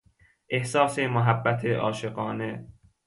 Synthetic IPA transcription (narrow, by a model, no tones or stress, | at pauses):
ʔe̞hsɒːsemoɦæbːæt̪ʰeʔɒːʃeɢɒːne